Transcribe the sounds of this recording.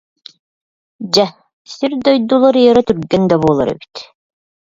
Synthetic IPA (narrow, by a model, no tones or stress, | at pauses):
d͡ʑa | siɾd̪ɔjd̪ulˠaɾiɛɾat̪yɾɡɛnd̪aβuːlˠa̰ɾɛ̰bi̥t̪